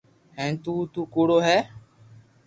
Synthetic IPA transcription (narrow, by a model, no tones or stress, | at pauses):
hɛ̃ːt̪uːt̪uːkoːɽoːɦɛː